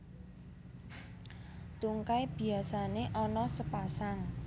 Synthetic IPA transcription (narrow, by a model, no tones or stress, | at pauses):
t̪uŋkajb̥i̤asaneʔɔnɔsəpasaŋ